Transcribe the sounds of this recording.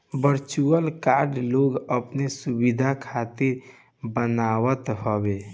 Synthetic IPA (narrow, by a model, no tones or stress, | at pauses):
bəɾt͡ʃuəlkaɾɖloɡəpnesubid̪ʱakʰat̪iɾ | bənawət̪ɦɔbe